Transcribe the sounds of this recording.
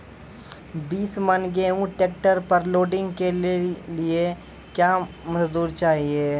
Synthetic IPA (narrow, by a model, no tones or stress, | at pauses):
biːsmɐnɡeːũʈeːk̚ʈəɾpɐɾloːɖɪ̃ŋɡkelie | kjaː | mɐzd̪uːɾt͡ʃaːɦieː